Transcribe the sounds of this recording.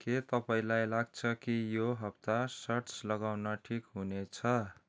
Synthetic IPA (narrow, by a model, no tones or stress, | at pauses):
ket̪ʌpaĩlajlaɡ̚t͡sʰʌkijoɦʌp̚t̪asʌrt͡slʌɡawnʌʈʰikɦunet͡sʰʌ